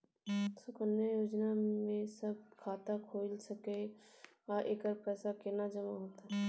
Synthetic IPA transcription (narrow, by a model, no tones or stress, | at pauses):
sʊkənːəjoːd͡ʒnamẽsɐb̚kʰaːt̪akʰoːlsɐke | aʔeːkəɾpɛːsakenad͡ʒɐmaɦoːt̪a